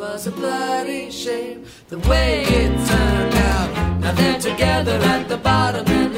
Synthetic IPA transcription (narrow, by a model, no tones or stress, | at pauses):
wʌzəblʌɾiʃeɪp̚ | ðəweɪɪdtʰɜ̃˞nndaʊt̚naʊðətʰɨɡɛðə˞ɨt̪̚ðəbɑɾə̃mɨ̃n